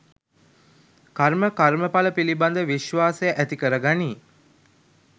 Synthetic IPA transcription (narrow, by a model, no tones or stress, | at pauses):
karməkaɾməpaləpiliband̪əʋiʃʋaːsejəʔæt̪ikəɾəɡaniː